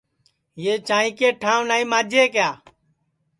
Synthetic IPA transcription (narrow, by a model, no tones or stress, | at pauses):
jeːt͡ʃãːĩːkeːʈʰãːʋnaːĩːmaːd͡ʒʱeːkjaː